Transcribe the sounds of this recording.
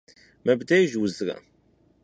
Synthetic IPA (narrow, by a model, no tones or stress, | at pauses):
mæbd̪æjʒwəzɾa̰